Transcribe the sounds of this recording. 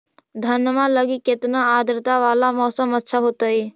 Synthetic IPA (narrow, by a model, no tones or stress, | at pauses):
d̪ʱənjəmãləɡikːɪt̪naaːd̪ɾɪt̪aʋaːlamɔːsəmətːʃʰaɦoːt̪aiː